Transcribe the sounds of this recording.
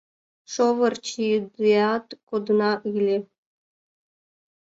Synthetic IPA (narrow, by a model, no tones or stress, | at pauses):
ʃovərt͡ɕid̪ɨɑt̪kod̪nɑʔɯlʲe